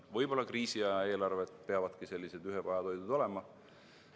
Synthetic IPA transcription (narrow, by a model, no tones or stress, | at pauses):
vɤjb̥o̞lːɑkriːsiɑe̞ːlɑrve̞t̪pe̞ɑvɑd̪kise̞lʲːise̞d̪yɦevɑjɑd̪o̞jd̪̥ud̪̥o̞le̞mɑ